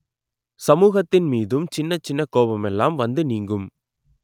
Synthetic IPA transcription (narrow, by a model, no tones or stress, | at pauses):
sɐmuːɣɐt̪ːɪnmiːðɯmt͡ʃɪnːɐt͡ʃːɪnːɐkoːbɐmɛlːaːmʋɐnd̪ɯniːŋɡɯm